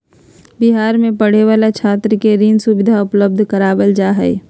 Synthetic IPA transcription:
bɪɦaːɾmẽpəɽ̤eʋaːlat͡ʃʰaːt̪ɾəkeɾiːnsʊbɪd̪ʱaʊpləb̚d̪ʱkəɾaːbəld͡ʒaɦɛ̰e

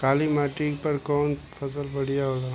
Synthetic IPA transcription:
kaːlimaʈikpəɾkɔːn | pʰɐs̬əlpəɽ̤ijaɦola

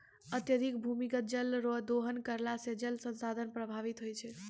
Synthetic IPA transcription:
ət̪jəd̪ʱik̚bʱumikət̪̚d͡ʒəlɾoɦd̪oɦənkəɾlased͡ʒəlsənsad̪ʱənpɾəbʱaʋit̪ɦojt͡ʃʰɛ

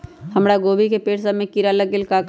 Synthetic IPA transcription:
həmɾaɡoːbikepeːʈsamẽkiɾaləɡelka

